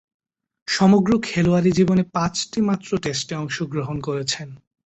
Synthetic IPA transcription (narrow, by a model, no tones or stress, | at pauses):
ʃɔmoɡɾokʰeloaɾid͡ʑibonepãt͡ɕʈimat̪ːɾoʈesʈeɔŋʃoɡɾoɦonkoɾet͡ɕʰen